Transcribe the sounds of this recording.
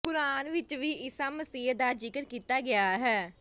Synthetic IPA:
kʊɾaːnʋɪt͡ʃʋiːɪsaːməsiːɦd̪aːd͡ʒɪkəɾkiːt̪aːɡɪaːɦɛː

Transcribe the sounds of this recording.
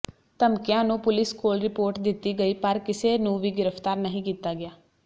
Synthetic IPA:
t̪əmkɪjãːnũːpʊlɪskoːlɾɪpoːɾʈd̪ɪt̪ːiːɡəiːpəɾkɪseːnũːʋiːɡɪɾəpt̪aːɾnəɦĩːkiːt̪aːɡɪjaː

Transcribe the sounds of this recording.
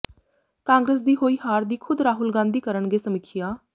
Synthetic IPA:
kãːŋɡɾeːs̬d̪iːɦoːiːhaːɾd̪iːkʰʊd̪ɾaːɦʊlɡãːnd̪iːkəɾəɳɡeːsəmɪkʰːɪjaː

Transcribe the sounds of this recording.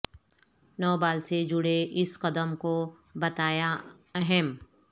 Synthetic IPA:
nɔːbaːlsed͡ʒʊɽeʔɪsqɐd̪əmko | bɐt̪aːja | ɐɦɛm

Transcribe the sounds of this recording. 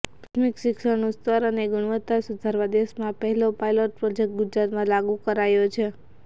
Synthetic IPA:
t̪ʰmikʃɪkʃəɾnost̪əɾəneɡʊɽ̃ʋət̪ːasud̪ʱaɾʋad̪esmãpəɦɛlopajloʈ̚pɾɔd͡ʒek̚ʈ̚ɡʊd͡ʒɾat̪mãlaɡũkəɾajot͡ʃʰe

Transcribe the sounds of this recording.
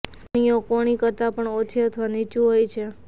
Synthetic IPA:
ɽ̃ijokoɽ̃ikəɾt̪apəɳot͡ʃʰiət̪ʰəʋanit͡ʃuɦojt͡ʃʰe

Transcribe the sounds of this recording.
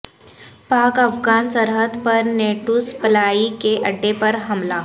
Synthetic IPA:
pakəfɡansəɾɦəd̪pəɾneʈuspəlaikeʔɐɖːepəɾɦɐmla

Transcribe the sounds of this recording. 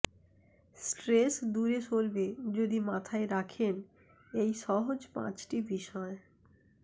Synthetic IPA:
sʈɾesd̪uɾet͡ɕolbed͡ʑod̪imat̪ʰaeɾakʰen | ejʃɔɦod͡ʑpã̰t͡ɕʈibiʃɔe

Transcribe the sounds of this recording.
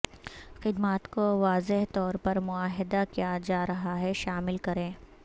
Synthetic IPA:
xɪd̪maːt̪koʋaːzɪɦt̪ɔːɾpɐɾmʊaːɦɪd̪akijad͡ʒaːɾɐɦaɦɛʃaːmɪlkɐɾẽː

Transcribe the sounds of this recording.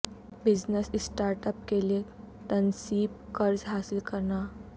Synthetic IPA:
bid͡znəsisʈaɾʈəp̚kele | t̪ənsiːb̚kəɾd͡zɦasilkəɾɳa

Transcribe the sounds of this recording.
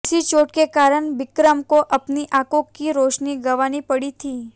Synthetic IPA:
sit͡ʃoʈ̚kekaɾəɳʋɪkɾəmkoʔəpniʔakõkːiɾoʃniɡəʋanipəɽit̪ʰi

